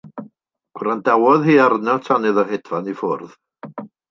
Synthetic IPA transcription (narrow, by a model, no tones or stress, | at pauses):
ɡ̥wɾandawɔðhiːarnatʰanɨðəɦedvanifʊrð